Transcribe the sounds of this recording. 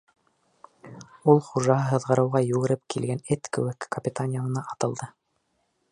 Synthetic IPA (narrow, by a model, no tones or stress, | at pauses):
ulˠχuʒɑɦɤɦɤ̆ðʁɤ̆ɾɤ̆wʁɑjʉɣɘ̆ɾɘp̚kʰilɡænɘt̪kɘ̆wɘkːɐpʲɪt̪anʲɪjanɤ̆nɑʔɑt̪ɤ̆lˠd̪ɤ